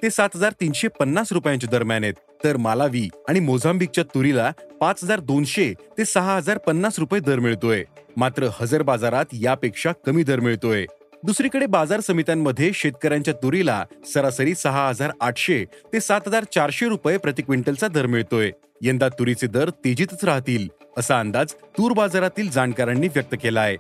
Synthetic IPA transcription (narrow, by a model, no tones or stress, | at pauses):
t̪esat̪ɦəd͡zaɾt̪inɕepənːasɾupjãɲt͡ɕed̪əɾmjanet̪ːəɾmalaʋiːaɽ̃imod͡zambik̚t͡ɕjat̪uɾilapat͡sɦəd͡zaɾd̪onɕet̪esəɦaɦəd͡zaɾpənːasɾupjed̪əɾmiɭt̪oemat̪ɾəhəd͡zəɾbad͡zaɾat̪japekʂakəmiːd̪əɾmiɭt̪oje | d̪usɾikəɽebad͡zaɾsəmit̪jamːəd̪ʱːjeɕet̪̚kəɾjaɲt͡ɕjat̪uɾila̰səɾasəɾiːsəɦaɦəd͡zaɾaʈʰɕet̪esat̪ɦəd͡zaɾt͡ɕaɾɕeɾupjepɾət̪ikʋeɳʈəlt͡sad̪əɾmiɭt̪oe | jə̃nd̪at̪uɾit͡sed̪əɾt̪ed͡ʑiːt̪ət͡sɾaɦt̪iːləsaːnd̪ad͡zt̪uːɾbad͡zaɾat̪iːld͡zaɳkaɾəɳːiːʋjək̚t̪əkelaːɦe